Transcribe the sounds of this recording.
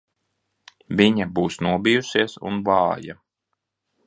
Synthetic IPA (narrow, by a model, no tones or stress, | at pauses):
viɲabuːsnuɔbijusiɛsṵnvɑːja̰